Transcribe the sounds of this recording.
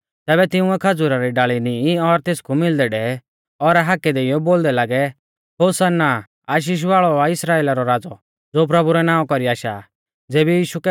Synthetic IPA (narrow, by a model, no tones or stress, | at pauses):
t̪ɛːβɛt̪ɪʊ̃ɛkʰɐd͡zʊɾaɾiɖaːɭiniɔɾt̪eːskumɪld̪ɛɖɛ | ɔɾaɦaːkɛd̪eːijɔboːld̪ɛlaːɡɛ | ɦoːsanːa | aːʃ̬iːʃ̬ʋaːɭɔaɪsɾaːeːlaɾɔɾaːd͡zɔ | d͡zoːp̬ɾɐbuɾɛnãːɔ̃kɔɾiaːʃa | d͡zeːbijiːʃukɛ